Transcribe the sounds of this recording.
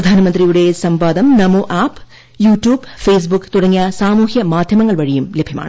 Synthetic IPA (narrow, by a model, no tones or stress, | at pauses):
ɾɐd̪ʱaːnɐmɐnd̪ɾijuɽe̞sɐmpaːd̪ɐmnɐmoːʔaːp | juːʈjuːbfeːs̬bukːt̪uɽɐŋːijasaːmuːhjɐmaːd̪ʱjɐmɐŋːɐɭʋɐɻijumlebʱjɐma̰ːɳ